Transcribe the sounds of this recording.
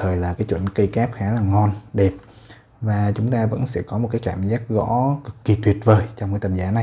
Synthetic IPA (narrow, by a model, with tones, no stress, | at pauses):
t̪ʰəː˨˩jlaː˨˩kaː˨˦jt͡ɕwə̰˧˩nkə˧jkaː˦˥p̚xaː˨˦laː˨˩ŋɔ˧nɗe˨˩p̚ | vaː˨˩t͡ɕʊ˨˦ŋ͡mt̪aː˧və̰˧˥nsɛ̰˧˥kɔ˨˦mo˨˩t̚kaː˨˦kaː˧˩mzaː˦˥k̚ɣɔ̰˧˥kɨː˨˩i˨˩t̪wi˨˩ət̚vəː˨˩jt͡ɕɔ˧wŋ͡mkaː˨˦jt̪ə˨˩mzaː˨˦na˨˩j